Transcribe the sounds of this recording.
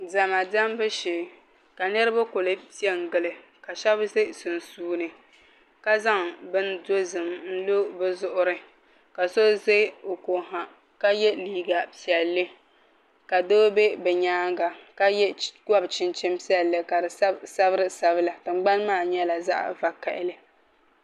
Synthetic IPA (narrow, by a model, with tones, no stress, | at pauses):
za˨ma˨da˦mbɨ˦ʃeː˨ | ka˨nɛ˦ɾɨ˦ba˦ko˨lɨ˦pi˦ɛ˦ŋ˨ɡɨ˨lɨ˨ | ka˨ʃɛ˦bze˦sɨ˨n˨suː˦nɨ˨ | ka˦za˦ŋbɨ˦ndo˦zɨ˨mn̩˦lo˦bɨ˦zʊ˦ʔʊ˦ɾɨ˦ | ka˨so˦ze˦o˨ko˨ɦa˨ | ka˦jɛ˦liː˦ɡa˨pi˨ɛ˨lːɨ˦ | ka˨doː˦be˦bɛ˨ɲaː˦ŋ˦ɡa˨ka˦jɛ˦ɡa˦bt͡ʃɪ˦nt͡ʃɪ˦mpɛ˨lːɨ˨ka˨dɨ˨˦sa˦bɨ˦ɾɨ˦sa˨βɨ˦la˨tɨ˨ŋ͡mɡ͡ba˦nmaː˦˨ɲɛ˦la˨za̰˦ʔva˨ka˨ʔɪ˦lɨ˦